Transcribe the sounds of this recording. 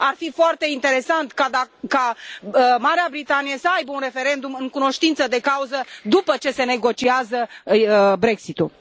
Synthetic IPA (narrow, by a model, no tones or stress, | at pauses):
arfifoart̪e̞int̪e̞ɾe̞sant̪kad̪aka | maɾeabɾit̪anijesəajbəunre̞fe̞ɾe̞nd̪umɨŋkuno̞ʃt̪int̪səd̪e̞kauzəd̪upət͡ʃe̞se̞ne̞ɡo̞t͡ʃiazə | bɾe̞ksit̪ul